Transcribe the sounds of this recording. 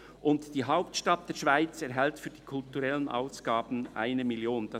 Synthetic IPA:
ʔʊntd̥iːɦaʊp̚tʃtɑt̚d̥eːɐʃv̥aɪt͡sɛɾɦɛltfyːd̥iːkʰʊltuɾɛlənʔa̰ʊsɡ̥aːbn̩ʔa̰ɪnəmɪljoːnd̥ɑ

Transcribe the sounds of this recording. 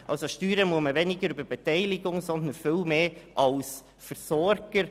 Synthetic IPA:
ʔɑlsoʃtyːɾəmuəməvɛnɪɡəɾybəbɛt̪ɛɪlɪɡʊŋsɔnd̪ənfɪlmeːʔɑls | fəɾsɔɾɡ̥əɾ

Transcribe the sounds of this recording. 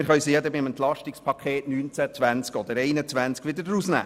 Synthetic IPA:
ɪɾχœɥsijɛdəbɪmənt̪lɑʃtikspʰɑkʰeːtnyːnt͡sæt͡svʋænt͡skɔd̪əɾɛɪnət͡sʋænt͡skʋɪdəɾdəɾusnæ̰ː

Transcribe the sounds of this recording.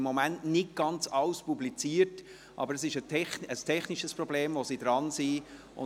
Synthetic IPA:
mːɔmæntnɪt̚ɡ̥ɑnt͡sɑwspublit͡siːəɾt | ʔɑ̰bəɾəsɪʃətʰɛχəstʰɛχniʃəspɾɔbleːmvosid̥ɾɑnsi | ʊ̰

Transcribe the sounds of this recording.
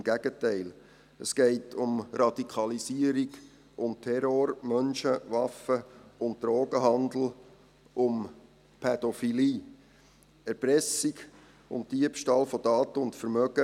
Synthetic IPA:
mɡ̥æɡ̥ətɛɪl | əsɡ̥ɛɪtʰʊmɾɑdikʰɑlisiəɾiɡ | ʊmtʰɛɾoːɾmœnʃəʋɑfəʊnt̚d̥ɾoːɡəɦɑnd̪l̩ | ʔʊm | pʰɛd̥ɔfiliː | ɛɾpɾɛsiɡ | ʊ̰nt̚d̥iəpʃtɑːlfɔdɑːtəʊntfəɾmœɡə

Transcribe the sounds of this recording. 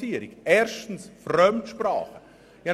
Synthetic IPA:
iːəɾiɡɛːɾʃtn̩sfrœmtʃpra̰ːχə | jɑ

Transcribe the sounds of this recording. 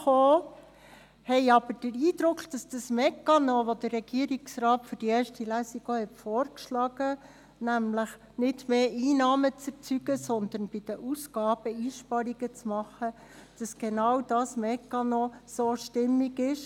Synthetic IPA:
χoː | hɛɪɑb̥əɾd̥əɾiːd̥̪ɾʊkχd̥ɑsd̥ɑsmɛkɑnoʋod̥̪əɾːɛɡ̥iəɾiksrɑːtfʏɾd̥ieːɾʃtilæːsiɡ̥oːhɛtfoːɾkʃlɑɡ̥ə | næmləχ | nɪdmeːʔiːnɑːmət͡sɛɾt͡syɡəsɔnd̪ənb̥ɪd̥əʔusɡ̥ɑːb̥əiːʃpɑɾiɡət͡smɑχə | d̥ɑsɡ̥enɑwd̥ɑsmɛkːɑnosoːʃtɪmːiɡɪʃ

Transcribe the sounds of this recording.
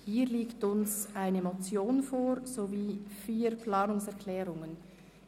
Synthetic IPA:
hiːɾliːktʊnsʔaɪnəmot͡sjoːnfoːɾz̥oviːfiːɾpʰlɑːnʊŋsɛɐkʰlɛːʁʊŋən

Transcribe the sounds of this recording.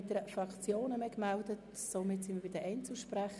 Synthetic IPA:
t̚d̥ɛɾəfʁɑkt͡sjoːnəmɛkmɛldət | soːmɪtsɪnməb̥iɪdəʔɛɪnt͡suʃpræχ

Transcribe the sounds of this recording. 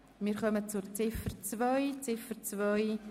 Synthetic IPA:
miːɾχœmət͡sʊɾt͡sɪfərt͡svɔjt͡sɪfərt͡svɔj

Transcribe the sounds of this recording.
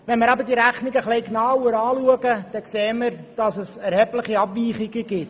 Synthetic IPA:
ʋɛnmɪɾɑbəɾd̥iːɾæχnɪɡəχlɛɪknɑːʊɾɑːluəɡəd̥ɛkseːməɾd̥ɑsəsɛɾhɛblɪχiɑbʋiːχiɡəɡɪt

